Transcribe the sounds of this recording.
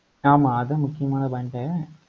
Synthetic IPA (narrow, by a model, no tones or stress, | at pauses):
naːmɐ̃ːðɐ̃mʊkːɪjɐmaːnɐbɐɳʈeː